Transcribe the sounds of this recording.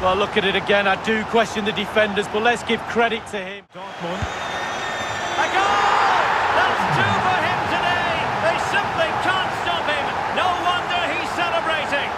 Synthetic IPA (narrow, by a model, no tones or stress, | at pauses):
wɛllʊkɨɾɨɾɨɡɛ̃naɪdɨkʰw̥ɛst͡ʃɨ̃nðɨdɨfɛ̃ndəzbʌtlətsɡ̥ɪv̥kʰɹ̥ɛɾɪtʰɨɪ̃mdɑˑk̚mə̃n | ɡɑ | ðətsdʰʉfə˞ɪ̃mtʰɨdeɪðeɪsɪ̃mplipkʰæ̃ntstɑphɪ̃m | noʊwʌ̃ndə˞iz̥sɛlˠəbɹeɪɾɪ̃ŋ